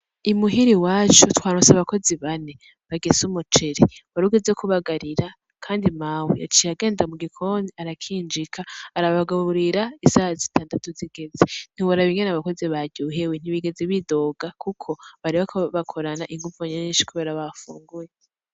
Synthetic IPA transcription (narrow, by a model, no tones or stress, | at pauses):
imuɦiɾiwaːt͡ʃutwaːɾosaβako̞ziβane | βaɡesumut͡ʃeɾiwaɾuɡe̞zekuβaɡaɾiɾa | kʰaːndimaːwḭja̰t͡ʃiaɡe̞ːndamuɡikʰoniaɾakʰiːnd͡ʒikʰaːɾaβaɡaβuɾiɾaisahazitʰaːndatuziɡ̥e̞zen̥iwoɾaβiŋɡenaβako̞ziβaɟuːɦewen̥iβiɡe̞zeβido̞ːɡakʰukʰo̞βaɾiβakʰaβakʰo̞ɾanaʔiŋɡuvoɲeɲiːnʃi̥kʰuβeːɾaβafṵːŋɡuje